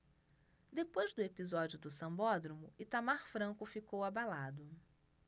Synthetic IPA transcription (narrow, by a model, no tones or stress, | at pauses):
d̪epojzd̪ʊepizɔd͡ʒiʊd̪ʊsɐ̃mbɔd̪ɾomʊɪt̪amaɾfɾɐ̃ŋkʊfikowabalad̪ʊ